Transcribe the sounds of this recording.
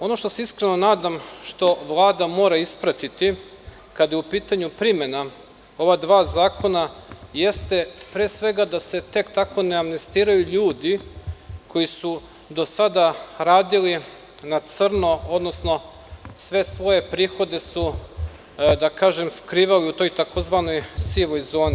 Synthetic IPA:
o̞no̞ʃt̪o̞seiskɾe̞no̞naːd̪amʃt̪o̞ʋlˠaːd̪amo̞ːɾaispɾat̪it̪i | kad̪jeupiːt̪aɲupɾime̞na | o̞ʋad̪ʋaːzaːkʰo̞naje̞st̪e̞pɾeːsʋe̞ɡad̪ase̞t̪e̞kt̪ako̞neamnest̪iːɾajuʎuːd̪i | kʰo̞jisu | d̪o̞sad̪aɾaːd̪ili | nat̪srnoo̞d̪no̞sno̞ | sʋe̞sʋo̞je̞pɾiːxo̞d̪e̞su | d̪akaːʒe̞mskɾiːʋaliut̪o̞jt̪akozʋano̞jsiʋo̞jzo̞ːni

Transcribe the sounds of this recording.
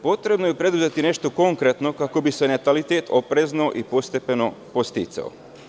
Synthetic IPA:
po̞t̪ɾe̞bnojepɾe̞d̪uzet̪ine̞ʃt̪o̞ko̞ŋkɾet̪no̞kako̞bise̞net̪alit̪eːt̪opɾezno̞ʔipo̞st̪e̞pe̞no̞po̞st̪it̪sa̰o̰

